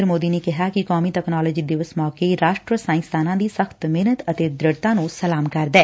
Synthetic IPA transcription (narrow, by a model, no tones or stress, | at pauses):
əɾmoːd̪iːneːkɪɦaːkɪkɔːmiːʈɛːknɔːlɔːd͡ʒiːd̪ɪʋəsmɔːkeːɾaːʃʈɾəsaːɪ̃nst̪ʰaːnãːd̪iːsəxt̪mɪnət̪ət̪eːd̪ɾɪɽt̪ãːnũːsəlaːmkəɾd̪ɛː